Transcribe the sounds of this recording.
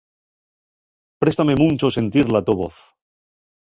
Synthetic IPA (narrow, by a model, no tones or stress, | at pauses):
pɾe̞st̪ame̞mũnt͡ʃose̞nt̪iɾlat̪oβo̰θ